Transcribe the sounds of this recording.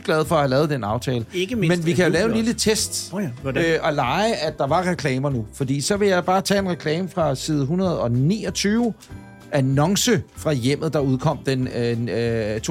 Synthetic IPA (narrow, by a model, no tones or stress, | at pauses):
ɡ̥læð̞ˠfɒ̽æhælɛːð̞̩ˠd̥enɑ̈ʊt͡sʰɛːləmenʋikʰæjo̝lɛːʊenlilət͡sʰesd̥ | ʔɒ̽lɑ̈ɪʔæ̥ɑ̈ʋɑ̈ʁɛkʰlɛːmɐnufɒ̽d̥ḭːsɒ̽ʋe̝jɑ̈ɪb̥ɑ̈ːt͡sʰɛ̰ːe̝nʁɛkʰlɛːməfʁɑ̈siːð̞ˠɦunɐð̞̩ˠɒ̽nḭːɒ̽t͡sʰyːʊ | ænɒ̽ŋsəfʁɑ̈jem̰ð̩ˠd̥ɑ̈uð̞ˠkʰɒ̽m̰d̥en | t͡sʰ